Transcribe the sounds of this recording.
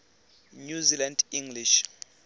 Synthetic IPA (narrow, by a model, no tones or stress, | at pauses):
ɲuzilandiŋɡliʃ